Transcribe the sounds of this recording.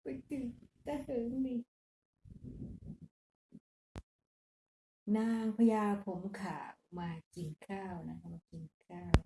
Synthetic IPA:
pa˧˩t̪ɯ˨˩t̪a˧hɯː˨˦ŋni˧˦ | naː˧ŋpʰa˧jaː˧pʰo˩˦mkʰa̰ː˨˩wmaː˧ki˨˩nkʰaː˥˩wna˦kʰa˦˥maː˧ki˨nkʰaː˥˩w

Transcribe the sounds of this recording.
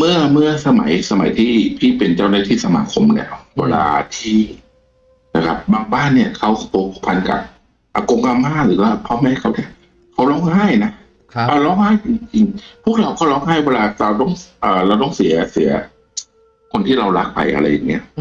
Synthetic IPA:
mɯ˥˩ɐmɯ˥˩ɐsa˧ma̰˩˦jsa˧ma˨˩˦jt̪ʰiː˥˩t̪ʰiː˥˩pe˧nt͡ɕa˥˩wnaː˧˥˩t̪ʰiː˧˥sa˧maː˧kʰo˧mnḭ˥˩ɐwḛ˧la̰ː˧t̪ʰiː˥˩ | na˧˩kʰa˦˥p̚baː˧ŋbaː˥˩nːi˥˩ɐkʰa˦˥˩wpʰo˧p̚ʰːpʰa˧nka̰˨˩p̚ | ʔa˨˧˩ko˧ŋka˧mhaː˥˩ɾɯː˩˦waː˥˩pʰɔ˦˧˥ma˧˥hjkʰa˦˥wni˥˩ɐ | kʰa˦˥wlɔː˧˥˨ŋhaː˥˩jna˦˥ | ʔaː˧˩lɔː˧˥˩ŋhaː˥˩jt͡ɕi˧ŋt͡ɕi˧ŋpʰu˥˩ək̚ɾa˧wkɔː˥˩lɔː˦˥ŋhaː˥˩jwɛː˧laː˧la˧wt̪ɔ˥˩ŋʔɤː˨˩ɾa˧wt̪ɔː˥˩ŋsi˨˩˦ɐsi˩˦ɐ | kʰo˧nt̪ʰiː˥˩la˧wɾa˦˥k̚pa̰˧jʔa̰˧ɾa˧jːa˨˩ŋːi˦˥ɐ˨

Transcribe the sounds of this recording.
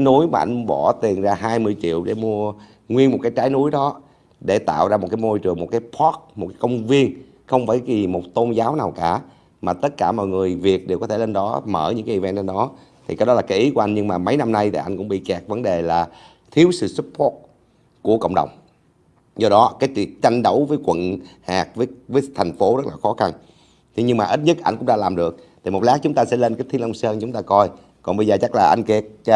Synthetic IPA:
nu˨˦jmaː˨˩ʔa̰˧jŋɓɔ˧˩t̪i˨˩ənzaː˧ɦaː˧jmɨ˧əjt͡ɕḭ˧˨əwɗe˧˩mu˧ə | ŋwi˧nmo˨˩t̚kaː˨˦jt͡ɕaː˨˦jnu˨˦jɗɔ˨˦ | ɗe˧˩t̪a̰ː˧˨wzaː˧mo˨˩t̚kaː˨˦jmo˧jt͡ɕɨ˨˩əŋmo˨˩t̚kaː˨˦jpʰɔ˦˥t̚mo˨˩t̚kaː˨˦jkə˧wŋ͡mvi˧ən | xə˧wŋ͡mfaː˧˩jzi˨˩mo˨˩t̚t̪o˧nzaː˨˦wnaː˨˩wkaː˧˩ | maː˨˩t̪ə˦˥t̚kaː˧˩mɔ̰˨jŋɨ˨˩əjvi˨˩ək̚ɗe˨˩wkɔ˨˦t̪ʰe˧˩le˧nɗɔ˨˦məː˧˩ɲɨ̰˧˥ŋkaː˦ʔi˨˩vɛ˧nt͡ɕe˧nɗɔ˨˦ | t̪ʰi˨˩kaː˨˦jɗɔ˨˦laː˨˩kaː˨˦jʔi˨˦ku˧˩˦ʔa˧ŋ̟ɲɨ˧ŋmaː˨˩mə˨˦jna˧mna˧jt̪ʰi˨˩ʔa˧jŋ̟kʊ̰˧˥ŋ͡mɓḭ˧˨kɛ˨˩k̚və˨˦nɗe˨˩laː˨˩ | t̪ʰi˨˦əwsɨ̰˧˨su˦˥p̚pʰɔ˦˥t̚ | ku˧˩əkə̰˧˨wŋ͡mɗə̰˨˩wŋ͡m | zɔ˧ɗɔ˨˦kaː˨˦jt͡ɕwḭ˧˨ət͡ɕa˧jŋ̟ɗə˨˦wvəː˨˦jkwə̰˧˨nhaː˨˩k̚vəː˨˦jvəː˨˦jt̪ʰɛ˨˩jŋ̟fo˨˦zə˦˥t̚laː˨˩xɔ˨˦xa˧n | t̪ʰi˨˩ɲɨ˧ŋmaː˨˩ʔi˦˥t̚ɲɨ˦˥t̚ʔa̰˧jŋ̟kʊ̰˧˥ŋ͡mɗa̰ː˧laː˨˩mɗɨ˨˩ək̚t̪ʰi˨˩mo˨˩t̚laː˦˥k̚t͡ɕʊ˨˦ŋ͡mt̪aː˧sɛ̰˧˥le˧nkaː˦j̚t̪ʰlʔə˧wŋ͡msəː˧nt͡ɕʊ˨˦ŋ͡mt̪aː˧kɔ˧j | kɔ˨˩nɓə˧jzəː˨˩t͡ɕa˦˥k̚laː˨˩ʔa˧jŋ̟ke˨˩t̚

